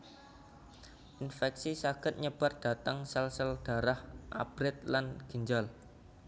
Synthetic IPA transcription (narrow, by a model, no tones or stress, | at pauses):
ʔinfɛksisaɡ̥ə̤t̪̚ɲəb̥a̤rd̥a̤t̪aŋsəlsəld̥a̤ɾahʔa̰b̥ɾɪt̪̚lanɡ̥ə̤ɲd͡ʒal